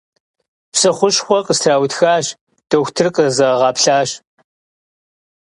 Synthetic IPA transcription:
psɨχʷʊɕxʷɔqʼəstʰraːwtxaːɕ | d̥ɐxʷtʰɨrqʼəzɐʁɑːpɬaːɕ

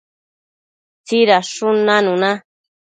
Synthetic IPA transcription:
t͡siɾaʂunãnũnã

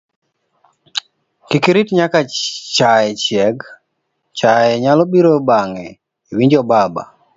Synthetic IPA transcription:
kikiɾitɲakat͡ʃaɛt͡ʃjɛɡ | t͡ʃajɛɲalɔbiɾobaŋɛ | iwiɲd͡ʒɔbaba̰

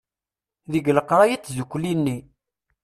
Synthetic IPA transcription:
ðəɡləqɾˤɑjit͡sːzukʷːlinːi

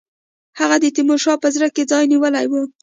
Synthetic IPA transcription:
haɣad̪ət̪imoʃɑpəzɾəked͡zɑjniwəlajwu

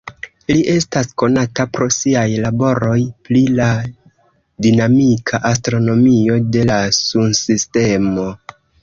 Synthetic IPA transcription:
liʔe̞stasko̞natapɾo̞siajlabo̞ɾo̞jplila | dinamikʰaʔastɾo̞no̞mio̞de̞lasunsiste̞mo̞

